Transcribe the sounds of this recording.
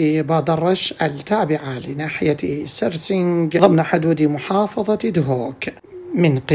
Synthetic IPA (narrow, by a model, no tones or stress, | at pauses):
ibaːd̪ɑrˤːɑʃʔalt̪ːaːbɪʕalɪnaːħɪjasaɾsɪŋɡðˤɨmnaħʊd̪uːd̪imʊħɑːfɑðˤɑd̪ɦoːk | mɪnq